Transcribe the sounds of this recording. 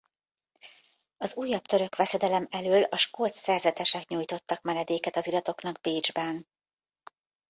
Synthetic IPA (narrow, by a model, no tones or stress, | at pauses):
ɒzuːjːɒpt̪ø̞ɾø̞kʋɛsɛd̪ɛlɛmɛløːlɒʃkoːt̪sɛrzɛt̪ɛʃɛkɲuːjt̪o̞t̪ːɒkmɛnɛd̪eːkɛt̪ɒzilɒt̪o̞kn̪ɒɡ̚beːd͡ʒbɛn